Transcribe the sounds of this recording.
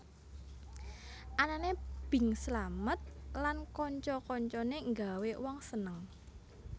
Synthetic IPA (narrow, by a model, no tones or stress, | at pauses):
ʔananeb̥ɪ̤ŋsəlamət̪̚lankɔɲt͡ʃɔkɔɲt͡ʃɔneŋɡawewɔŋsənəŋ